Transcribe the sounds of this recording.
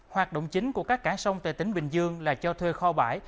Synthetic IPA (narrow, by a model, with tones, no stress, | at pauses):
hwaː˨˩t̚ɗo̰˧˨wŋ͡mt͡ɕï˨˦ŋku˧˩əkaː˦˥kːaː˧˩sə˧wŋ͡mt̪wḛ˧˩t̪ï˨˦ŋɓï˨˩ŋ̟zɨ˧əŋlaː˨˩t͡ɕɔ˧t̪ʰwe˧xɔ˧ɓaː˧˩j